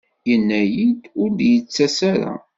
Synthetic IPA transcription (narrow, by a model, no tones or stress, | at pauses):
jənːæjid̪ʊɾd̪jət͡sːæsæɾa̰